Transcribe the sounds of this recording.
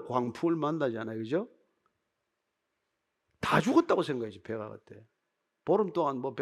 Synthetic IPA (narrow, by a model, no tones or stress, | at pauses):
kwaŋpʰuɯɭmanːad͡ʑianajokɯd͡ʑo | tad͡ʑuɡʌt͈̚aɡosʰe̞ŋɡakʰed͡ʑopeɡa̰ɡa̰t͈ʰe | poɾɯmt͈oŋanmʌpe